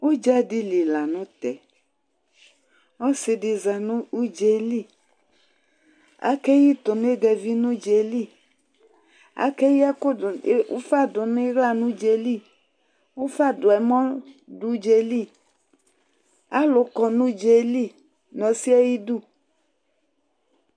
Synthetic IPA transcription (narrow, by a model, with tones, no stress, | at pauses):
wo˦d͡ʒa˦di˦li˨la˨nʊ̃˦t̪ɛ˨ | ɔ˦sɪ˨dɪ˨za˨nũ˦u˦d͡ʒe˨li˦˨ | a̰˦kɛ˦ji˦t̪ʊ˨n˦e˦ɡɛ˨vi˦nũ˦d͡ʒe˨li˦˨ | a̰˦kɛ˦ji˦a˦ko̰˦fa˦dʊ˨nʊ̃˦ɡa˦˨nũ˦d͡ʒe˨li˦˨ | wo˦fa˦dʊ˨ɛ˨mɔ̃˦du˦d͡ʒe˨li˦˨ | a˦lʊ˨kɔ˨nũ˦d͡ʒe˨li˦˨ | nɔ̃˨si˦ɛ˦ji˦du˦˨